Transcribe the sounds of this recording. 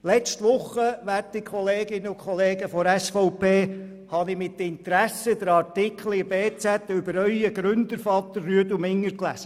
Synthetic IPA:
lɛt͡ʃtʋʊχːəʋæːtdɪkʰɔleːɡɪnəʊkχɔleːɡəfɔɾæsfɔʊpeː | hɑnɪmɪt̪ːəɪnt̪əɾæsəd̪əɾɑɾtɪkχl̩ibeːt͡sæt̪ːʏbəɾœʏəɡɾʏnd̪əɾfɑt̪ːəɾːyədumɪŋːəɾklæ̰sə

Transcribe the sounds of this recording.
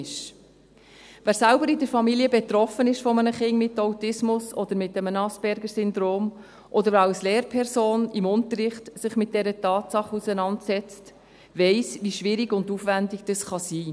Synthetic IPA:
ʃ | væːɾsælbəɾɪdəɾfɑmiliəbɛt̪ɾɔfənɪʃfɔmənəχɪŋmɪtːawtɪsmʊsɔd̪əɾmɪtːəmənɑsb̥ɛɾɡəɾsʏnd̪ɾoːm | ʔɔd̪əɾɑlsleːɾpʰɛɾsoːnɪmʊntəɾɪχtsɪχmɪt̚d̥ɛɾətɑːtsɑχusənɑntsɛt͡st | vɛɪsviʃʋɪɾiɡʊndufʋændɪɡ̥d̥ɑsχɑsiː

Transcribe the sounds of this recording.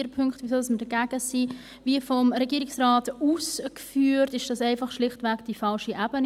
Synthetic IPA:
əɾpʰʏŋkχtvisɔlsməd̥əɡ̥æɡ̥əsiː | viːfɔmɾɛɡiːɾɪksraːtuːskfyːɾtɪʃd̥ɑsɛɪfɑχʃlɪχtvæɡd̥ifɑlʃiʔæb̥ən

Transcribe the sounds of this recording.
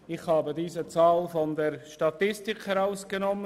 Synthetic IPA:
ɪxhɑːbədiːzət͡sɑːlfɔndɛɾʃtɑtɪstɪkhɛɾaʊskənɔmə

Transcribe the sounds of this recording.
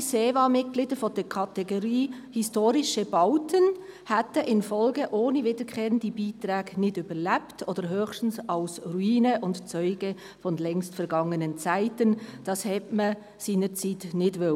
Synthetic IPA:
seːvɑːmɪt̚ɡ̥liːdəfɔd̥ɛkʰɑt̪ɛɡoɾiːhistoːɾɪʃəb̥ɑʊtʰən | hætəʔɪnfɔlɡəʔoːnivɪdəkʰχeːɾəndibiːtɾæːɡ̥nɪdʏbəɾlæptʰɔdəɾɦøːxʃtn̩sɑʊsruiːnəʔʊntt͡sœʏɡə | fɔnlɛŋstfɛɾɡɑŋənənt͡sæɪtənd̥ɑshɛtmə | siːnəɾt͡siːtnɪdʋø

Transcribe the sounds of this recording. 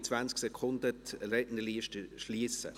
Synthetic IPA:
t͡svansksɛkʰʊnd̪ətɾɛtnəliːʃtəʃliːsə̰

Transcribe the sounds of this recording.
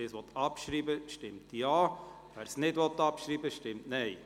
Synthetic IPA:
ɪsʋɔt̪ɑpʃɾiːbəʃtɪmtjɑː | ʋæːɾsnɪdʋɔtːɑpʃɾiːbəʃtɪmtnɛɪ

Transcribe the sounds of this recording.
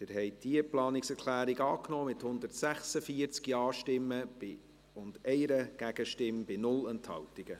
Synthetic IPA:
d̥ɪɾɦɛɪd̥iəplɑːnɪksɛɾkʰlæːɾɪɡɑːknɔːmɪthʊnd̪ərtsæχsəfiəɾt͡skiɑːʃtɪmːəb̥ɪ | ʊnd̥ɛɪɾəɡ̥æɡ̥əʃtɪmb̥ɪnʊlənthɑ̰wtɪɡ̥ə

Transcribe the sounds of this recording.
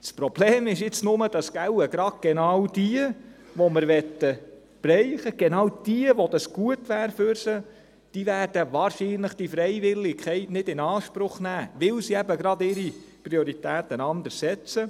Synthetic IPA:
spɾɔb̥leːmɪʃɪt͡snʊməd̥ɑsɡ̥æwəɡɾɑd̥̚ɡ̥enɑwd̥iə | ʋoməɾʋɛt̪ə | b̥ɾɛɪχəɡ̥enɑːwd̥iəʋod̪ɑsɡ̥uətʋæːɾfʏɾsə | d̥ivæːɾd̥əʋɑːɾʃiːnləχd̥ifɾɛjvɪlːɪkʰχɛɪtnɪdɪnɑːʃpɾʊχnæːʋɪlsiɛbəɡɾɑdɪɾipɾioɾitæːt̪ɛnɑnd̪əɾsɛt͡sə

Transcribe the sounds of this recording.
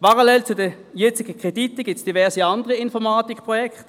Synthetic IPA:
pɑʁalɛlt͡sʊdə | jɛt͡sɪɡ̥əkʁ̥editəɡ̥ɪsd̥ivɛɐsiɑndəʁəɪnfɔʁmaːtikpʁɔjɛkʰt

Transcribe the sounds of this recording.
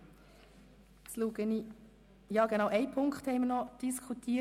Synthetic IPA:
sluːɡəni | jɑːɡ̥enɑʊʔɛɪpʰʊŋkχthɛɪmənɔd̥iskʰutʰiː

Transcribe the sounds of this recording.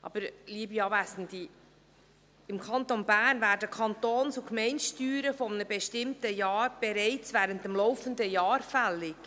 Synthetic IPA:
ʔɑ̰b̥əɾliəbiɑːvæsən̩d̥̪i | ɪmkʰɑnt̪onbæːnvæːɾdəkʰɑnt̪oːnsukmɛɪntʃtyːɾəfɔmənəbɛʃtɪmtəjɑːɾb̥eɾɛɪt͡svæːɾəntəmlɔʊfənd̪əjɑːɾfælːɪk

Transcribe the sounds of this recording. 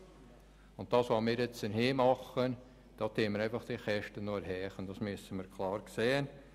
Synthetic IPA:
ʊnt̚d̥ɑːsʋɑmiːɾjɛt͡sənhiːmɑχən | d̥ɑːtʰeːəməɾɛɪfɑχd̥iχɛʃtənoəɾɦɛːχənd̥ɑsmyəsənmiːɾkʰlɑːɾkseːən

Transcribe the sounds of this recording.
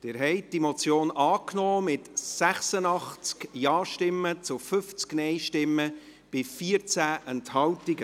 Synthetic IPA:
d̥ɪːɾɦɛɪd̥imot͡sjoːnʔɑːknɔːmɪtsæχsənɑχt͡skjɑːʃtɪmːət͡sʊfʏft͡sknɛɪʃtɪmːə | b̥ɪfiːəɾt͡sæːʔɛnthɑltɪɡə

